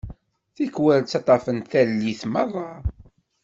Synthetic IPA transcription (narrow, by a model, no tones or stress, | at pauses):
θikwælt͡sːɑt̪ˤɑfənθælːiθmɑðˤɑ